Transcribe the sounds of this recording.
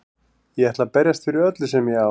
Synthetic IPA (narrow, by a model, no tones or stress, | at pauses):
jɛɛht̪lapɛɾjast̪fɪɾɪœt̪lɪsɛmjɛa